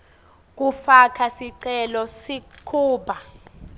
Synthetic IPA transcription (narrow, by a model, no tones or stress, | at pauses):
k̬ʼufakʰasiǀɛlɔsikʰuːɓʱa